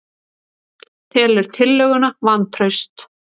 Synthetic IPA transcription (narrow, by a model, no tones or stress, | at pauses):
θɛːlɛɾ̥t̪ʰɪlːœɣʏnavant̪ʰɾœɥst̪